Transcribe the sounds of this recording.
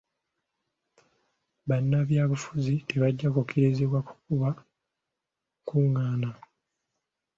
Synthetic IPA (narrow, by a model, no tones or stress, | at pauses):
βanːaβjaːβufuzite̞βaɟːakokʰeɾeziβwaku̥kuβa | kuŋːaːna